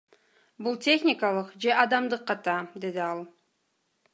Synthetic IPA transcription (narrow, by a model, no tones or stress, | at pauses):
bulˠtʲe̞xnʲɪkɑlˠɯqd͡ʒe̞ʔɑd̪ɑmd̪ɯqːɑt̪ɑd̪e̞d̪iɑlˠ